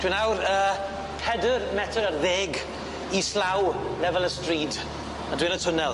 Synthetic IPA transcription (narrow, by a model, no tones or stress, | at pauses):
d̥winawɾəː | pʰɛdərmɛtʰəɾərðeːɡ | islawlɛvɛlˠəstriːd | adwinətʰʊnɛlˠ